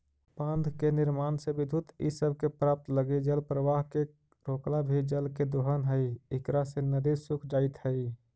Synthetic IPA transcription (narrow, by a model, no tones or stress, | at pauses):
pãnd̪ʱkeniɾmansẽbid̪ʱut̪ḭsəbʱkepɾap̚t̪ləɡed͡ʒəlpɾəʋaɦke | ɾoklabʱid͡ʒəlked̪oɦənɦəjɪkɾasẽnəd̪isukʰd͡ʒaɪt̪həj